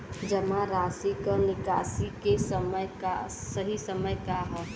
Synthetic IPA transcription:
d͡ʒəmãɾaːsikəɾnɪkaːsikesəməjka̰səɦisəməjkaɦɛː

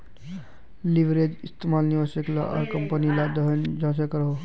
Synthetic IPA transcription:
liʋɾed͡ʒist̪emalniʋasəkla̰ʔɐ̰ɾkəmpənilad̪əɦənd͡ʒas̬ekɾəɦo

